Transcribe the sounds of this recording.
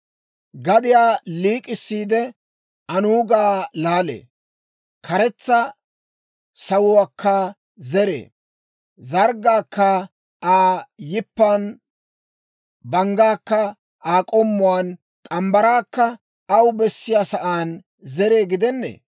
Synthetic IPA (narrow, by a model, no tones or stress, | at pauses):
ɡɐd̪ɪjaːliːkʼɪsːiːd̪ɛ | ɐnuːɡaːlaːlḛː | kʰɐɾɛt͡sːɐ | sɐwʊwaːkːɐ | zɛɾḛː | zɐɾɡaːkːɐ | ʔaːjɪpːaːn | bɐŋɡaːkːɐ | aːkʼɔmːʊwaːn | kʼɐmbɐɾaːkːɐː | wbɛsːɪjaːsɐʔaːn | zɛɾe̞ːɡɪd̪ɛnːḛː